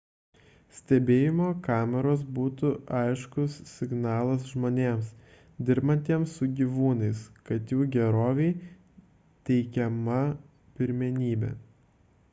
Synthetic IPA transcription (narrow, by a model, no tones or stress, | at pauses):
sʲt̪ʲɛbʲeːjɪmoːkɑːmʲɛɾoːs̬buːt̪ʊʔɐɪʃkʊsːʲɪɡnɑːlˠɐsʒmoːnʲeːms | d̪ʲɪɾbɐnʲt̪ʲiɛmsːʊɡʲiʋuːnɐɪskɐt̪juːɡʲɛɾoːʋʲɛɪ | t̪ʲɛɪkʲɛmɐ | pʲɪɾʲmʲɛnʲiːbʲɛ̰ː